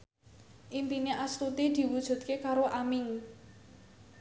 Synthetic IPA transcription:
ʔimpineʔast̪ut̪id̪̥i̤wud̥ʒ̥ṳd̪̚kekaɾoʔamɪŋ

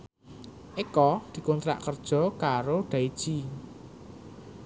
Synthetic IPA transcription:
ʔekɔd̪̥i̤kont̪ɾa̰ʔkərd̥ʒ̥ɔ̤kaɾoɖ̪̥a̤id̥ʒ̥i

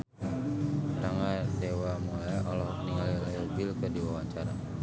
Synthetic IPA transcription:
ɾaŋadewamolaʔɔlɔhkniŋalialajubilkədiwawaɲt͡ʃaɾa

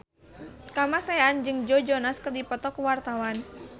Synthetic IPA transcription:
kamasaand͡ʒɨŋd͡ʒɔd͡ʒɔnaskɨrdipɔt̪ɔkwart̪awan

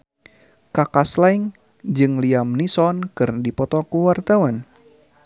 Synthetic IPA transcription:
kakaslaiŋ | d͡ʒɨŋliamnisɔnkɨrdipɔt̪ɔkuwart̪awan

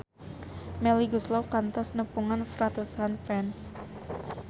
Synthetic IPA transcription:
mɛliɡuslɔwkant̪ɔsnəpuŋanfɾat̪usanfɛns

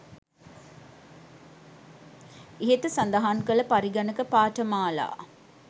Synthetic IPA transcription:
eɦet̪əsand̪əɦaŋkələpaɾiɡɐnəkəpaːʈəmaːla̰ː

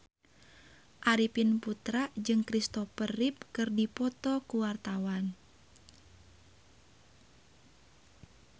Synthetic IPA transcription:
ʔaɾipinput̪ɾad͡ʒɨŋkɾist̪ɔpəripkɨrdipɔt̪ɔkuwart̪awan

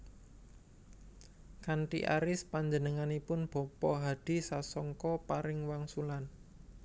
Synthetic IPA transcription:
kaɳʈḭʔa̰ɾɪspaɲd͡ʒənəŋanipʊnb̥ɔ̤pɔɦad̥i̤sasɔŋkɔpaɾɪŋwaŋsulan

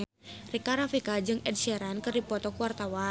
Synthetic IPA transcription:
rikaɾafikad͡ʒɨŋɛd̚sɛɾankɨrdipɔt̪ɔkuwart̪awa

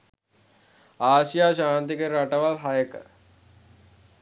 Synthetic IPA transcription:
aːʃijaːʃaːnt̪ikəɾɾaʈəʋalɦajəkə̰

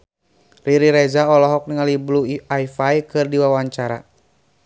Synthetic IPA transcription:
riɾiɾɛd͡ʒaɔlɔɦɔk̚niŋalibluajfajkɨrdiwawaɲt͡ʃaɾa̰

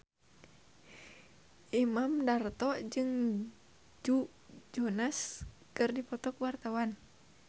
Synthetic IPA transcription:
ʔimamdart̪ɔd͡ʒɨŋ | d͡ʒu | d͡ʒɔnas | kɨrdipɔt̪ɔkwart̪awan

